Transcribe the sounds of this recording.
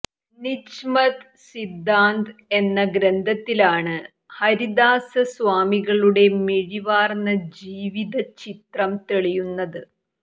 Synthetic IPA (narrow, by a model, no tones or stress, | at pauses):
niɕmɐt̪ | sid̪ːaːnd̪e̞nːɐɡɾɐnd̪ʱɐt̪ːilaːɳɨ | hɐɾid̪aːsɐsʋaːmiɣɐɭuɽe̞miɻiʋaːrnɐd͡ʑiːʋiðɐt͡ɕit̪rɐmt̪eɭijunːɐðɨ